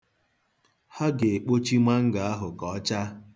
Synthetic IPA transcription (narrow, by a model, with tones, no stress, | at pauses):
ha˦ɡe˨k͡po˦t͡ʃi˦ma˦ŋ̩˦ɡa˨a˦ɦʊ˨kɔ˨˦t͡ʃa˦